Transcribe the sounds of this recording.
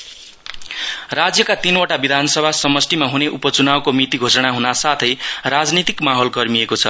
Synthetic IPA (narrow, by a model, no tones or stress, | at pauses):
rad͡zjʌkat̪inoʈabid̪ʱanʌsʌbʱasʌmʌsʈimaɦuneʔupʌt͡sunabkomit̪iɡʱosʌɽ̃aɦunasat̪ʰʌjɾad͡znit̪ikmaɦʌlɡʌrmiekot͡sʰʌ